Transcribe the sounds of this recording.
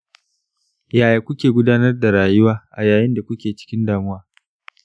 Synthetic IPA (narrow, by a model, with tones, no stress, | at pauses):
jaː˨jaː˨kʷʊ˦kʲeː˨ɡʷʊ˦daː˦nɐ˦rda˨ɾaː˨jʊ˦waː˦ʔa˨jaː˨jɪ˦nda˨kʷʊ˦kʲeː˨t͡ʃɪ̥˦kʲɪ˦ndaː˨mʊ˦waː˨